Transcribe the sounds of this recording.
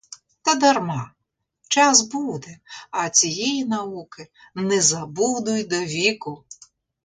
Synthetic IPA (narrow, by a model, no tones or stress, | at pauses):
t̪ɐd̪ɐrmɑ | t͡ʃɑsbud̪ɛɐt͡sʲijɛjinɐukɪ | nɛzɐbud̪ʊjd̪ɔʋʲikʊ